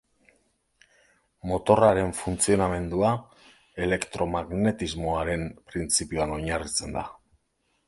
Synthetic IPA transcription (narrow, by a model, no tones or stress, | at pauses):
mo̞t̪o̞raɾe̞ɱfunt͡sio̞name̞nd̪ua | e̞le̞kt̪ɾo̞maɣne̞t̪izmo̞aɾe̞mpɾint͡sipioano̞ɲarit͡se̞nd̪a